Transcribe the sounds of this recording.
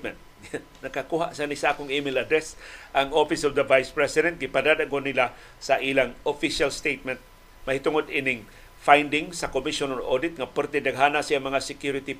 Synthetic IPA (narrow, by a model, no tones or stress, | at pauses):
mɛ̰nt̪̚ | nɐkːakuɦaʔsanisaʔaːkʊŋimɪlad̪ɾɛsʔaŋofɪsovd̪ɐvajspɹɛsɪd̪ɛnt̪̚ɡɪpad̪ad̪akonila | saʔilaŋofiʃalst̪ejt̪̚mɛnt̪̚ | mɐhit̪ʊŋod̪ʔinɪŋ | fajnd̪ɪŋsakomiʃononʔo̰d̪ɪt̪̚ŋapəɾt̪ɛd̪aɡɦanasiaŋmɐŋasɪkjuɾɪt̪i